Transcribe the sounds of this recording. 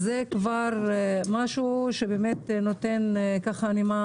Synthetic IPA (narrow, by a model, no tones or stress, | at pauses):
zekvaʁmaʃuʃebemet̪not̪enkaχanima